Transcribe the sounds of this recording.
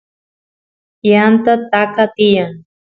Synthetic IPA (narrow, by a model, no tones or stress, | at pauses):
jant̪at̪akat̪ɪjaŋ